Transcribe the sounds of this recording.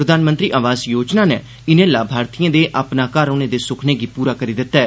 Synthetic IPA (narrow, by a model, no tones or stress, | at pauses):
ɾəd̪aːnmənt̪ɾiːʔaːʋaːzjoːd͡ʒnaːneː | ɪnẽːlaːbʱaːɾt̪iːãːd̪eːʔaːpnaːkaɾoːnẽːd̪eːsʊkʰneːɡiːpuːɾaːkəɾiːd̪ɪt̪ːaːɛː